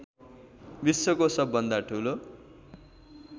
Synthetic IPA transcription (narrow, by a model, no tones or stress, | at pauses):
bisːʌkosʌbːʌnd̪aʈʰulo